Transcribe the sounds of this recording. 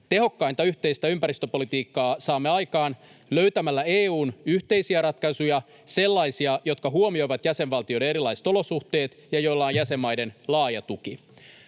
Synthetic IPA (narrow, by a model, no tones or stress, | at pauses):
t̪e̞ɦo̞kːɑint̪ɑyçt̪e̞ist̪æympæɾist̪øpo̞lit̪iːkːɑːsɑːmːeɑjkɑːnløɥt̪æmælːæeːuːnyht̪e̞jsiæɾɑt̪kɑsujɑ | se̞lːɑjsiɑjo̞t̪̚kɑɦuomio̞jʋɑt̪jæse̞nʋɑlt̪ijoɾe̞ne̞ɾilːˑɑise̥t̪o̞lo̞suht̪e̞ːt̪jɑjo̞jlːɑonjæse̞mːɑjde̞nlɑːjɑt̪uki